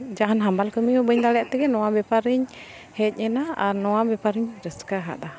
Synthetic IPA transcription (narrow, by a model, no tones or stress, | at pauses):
d͡ʒaŋanɦambalkəmiubəɲd̪alɛaʔt̪ɛɡɛnɔwabɛpaɾiɲ | hɛt̪̚ɲɛnaanɔabɛpaɾiɲdəskaɦa̰ʔdah